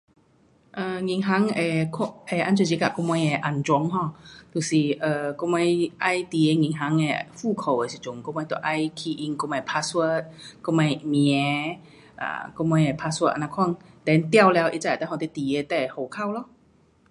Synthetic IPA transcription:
ʔə˧ŋi˧˩ŋɦa˧˦ŋe˧˩kʰʔe˧˩ʔa˧˦nt͡ɕu˧˩t͡ɕi˧ka˧˨˩kɔ˧mɔ˧je˧ʔa˨˩nt͡ɕwɔ˧˦ŋɦɔ̃˧˨t̪u˨˩si˨˩ʔə˨˩kɔ˧ma˧jʔa˧jt̪i˨˩e˧ŋĩ˧˩ŋɦa˧˦ŋe˧fu˥˧˩kʰo˨˩we˨si˨˩t͡ɕu˨˩ŋkɔ˧mɔ˧jt̪ɔ˧˨˩ʔa˧jkʰi˧ʔi˧ŋkɔ˧mã˧˩jpʰa˧swə˧˩t̪̚kɔ˧mã˧jmĩ˧ɛ˨˧˦ | ʔa̰˧˩kɔ˧mɔ˧je˨˧˩pʰa˧swə˧t̚ʔa˧nã˧kʰwa˥˨ŋ | t̪ɛ˨˧˨nt̪ja˥˧˨wlɛ˧wʔḭ˧t͡sa˧˨˩t̪hɔ̃˧˩t̪e˧˦t̪i˨e˧t̪ɛ˧˩ho˨˩kʰa˥˨wlɔ˧˨

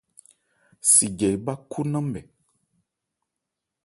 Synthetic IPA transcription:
si˨ɡɛ˨jba˦kʰu˦nə̃˦mbɛ˨

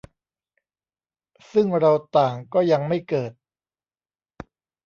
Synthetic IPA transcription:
sɯ˥˩ŋɾa˧wt̪aː˨˩ŋkɔː˥˩ja˧ŋma˥˩jkɤː˨˩t̪̚

